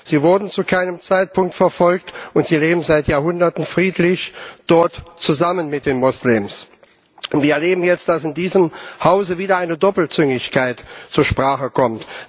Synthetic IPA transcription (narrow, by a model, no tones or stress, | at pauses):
z̥iːvʊɐdn̩t͡sukʰaɪnəmt͡saɪt̚pʰʊŋktfɛɐfɔlktʔʊntz̥iːleːbm̩zaɪtjaːɐɦʊndɐtn̩fʁ̥iːtlɪçd̥ɔɐtt͡suzamənmɪt̚d̥eːnmʊslɪms | ʊntv̥iːɐɛɐleːbm̩jɛt͡st̚d̥asɪndiːzəmhaʊzəviːdɐaɪnədɔpl̩t͡sʏŋɪçkʰaɪtt͡suːɐʃpʁ̥aːχəkʰɔmt